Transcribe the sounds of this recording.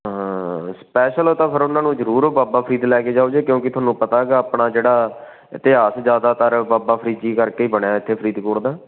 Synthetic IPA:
ɦãːspɛːʃəloːt̪ãːpʰɪɾʊnãːnũːzəɾuːɾoːbaːbaːpʰəɾiːd̪lɛːkeːd͡ʒaːoːd͡ʒeːkjõːkɪt̪ʊɦaːnːũːpət̪aːɡaːəpɳaːd͡ʒeːɽaː | ɪt̪ɪɦaːsd͡ʒjaːd̪aːt̪əɾbaːbaːpʰəɾiːd͡ʒiːkəɾkeiːbəɳjaːɪt̪ʰːeːpʰəɾiːd̪koːɽd̪aː

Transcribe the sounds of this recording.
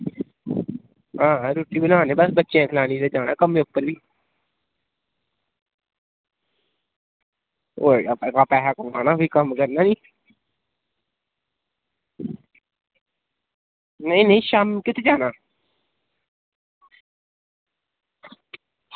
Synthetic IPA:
ɦãːɾuːʈiːbənaːnẽːbəsbətːʃeãːkʰəlaːniːt̪ed͡ʒaːna̰ːkəmẽːʊpːəɾbʱiː | oːkapɛːɦakomaːnaːbiːkəmkəɾnaːniː | nɪnẽiʃaːmkɪt̪ʰeːd͡ʒaːnaː

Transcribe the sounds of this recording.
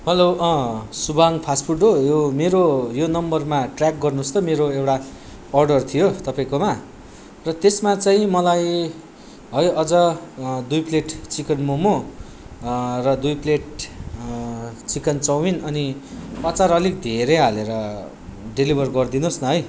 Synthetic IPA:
ɦʌlo | subaŋpʰaspʰuʈːojomeɾojonʌmbʌrmaʈrak̚ɡʌrnust̪ʌmeɾoewʈa | ʌrɖʌrt̪ʰijot̪ʌpaĩkoma | rʌt̪esmat͡saĩmʌlaj | ɦʌjʌd͡zʌd̪ujpleʈt͡sikʌnmomo | rʌd̪ujpleʈ | t͡sikʌnt͡sʌwinʌniʌt͡saɾʌlik̚d̪ʱeɾeɦaleɾʌ | ɖelibʱʌrɡʌrd̪inosnʌɦʌj

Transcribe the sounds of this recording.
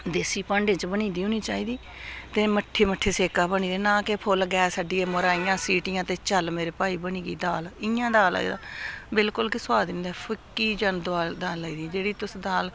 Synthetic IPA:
d̪eːsiːpãːɳɖẽːt͡ʃbəɳĩːd̪iːɦõːniːt͡ʃaːiːd̪iː | t̪eːməʈʰːeːməʈʰːeːseːkaːbəɳiːd̪eːnãːkepʰʊlɡɛːsaːɖiːeːməɾaːijãːsiːʈɪjãːt̪eːt͡ʃəlmeːɾeːpaːiːbəɳiːɡḭːd̪aːlɪjãːd̪aːla̰ːḭːd̪a̰ːbɪlkʊlkɪswaːd̪ɪ̃nd̪ɛːpʰʊkːiːd͡ʒənd̪aːd̪aːləiːd̪iːd͡ʒeːɽiːt̪ʊsd̪aːl

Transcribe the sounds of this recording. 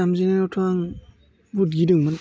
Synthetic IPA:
amzinanɔtʰuaŋ | but̚ɡidɯŋman

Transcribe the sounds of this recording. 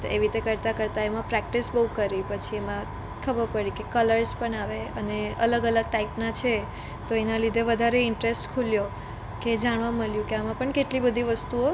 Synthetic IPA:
ḛʋit̪ekəɾt̪akəɾt̪aemãpɾɛk̚ʈisbəɦukəɾipət͡ʃʰiemã | kʰəbəɾpəɽikekələɾspəɳaʋeəneə̰ləɡələɡ̚ʈaipnat͡ʃʰe | t̪oenalid̪ʱeʋəd̪ʱaɾeɪɳʈɾesʈkʰuljo | ked͡ʒaɳ̃ʋaməljũkeamãpəɳkeʈlibəd̪ʱiʋəst̪uo

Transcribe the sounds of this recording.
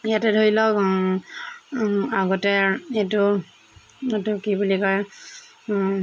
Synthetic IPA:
ijatɛdʱoɹilɔk | aɡɔtɛetu | tʊkibulikɔɹ

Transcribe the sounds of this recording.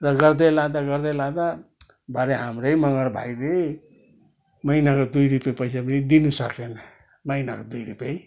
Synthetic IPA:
rʌɡʌɾd̪elad̪aɡʌɾd̪elad̪a | bʱaɾeɦamɾʌjmʌŋɡʌɾbʱa̰jle | mʌinakod̪ujɾupʌpʌjsapʌnid̪inusʌkʰlenʌ | mʌjnakod̪ujɾupʌj

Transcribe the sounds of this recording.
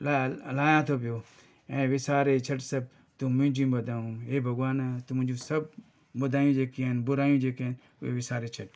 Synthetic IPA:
lalaːjãːt̪ʰoːp̬ɪjoː | ẽːʋɪsaːɾeːt͡ʃʰɐʈsɐb̚ | t̪ʊmʊ̃ɦɪ̃d͡ʒĩːbɐd̪ʱaːũːɦeːbʱɐɡwaːnt̪ʊmʊ̃ɪ̃d͡ʒũːsɐb̚ | bɐd̪ʱaːjũːd͡ʒeːkinbʊɾaːjũːd͡ʒeːken | ʊ̰eːʋɪsaːɾeːt͡ʃʰəʈ

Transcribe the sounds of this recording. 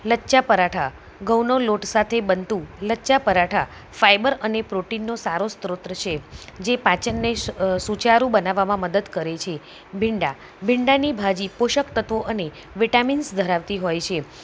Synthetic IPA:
lətːt͡ʃapəɾaʈʰa | ɡəwnoloʈsat̪ʰebənt̪ũləːt͡ʃapəɾaʈʰa | fajbəɾənepɾoʈinːosaɾost̪ɾot̪ɾət͡ʃʰed͡ʒepãt͡ʃənːesut͡ʃaɾũbənaʋamãməd̪əd̪kəɾet͡ʃʰe | bʱɪɳɖa | bʱɪɳɖanibʱad͡ʒipoʃəkt̪ət̪ʋoʔəne | ʋiʈaminsd̪ʱəɾaʋt̪iɦojt͡ʃʰe

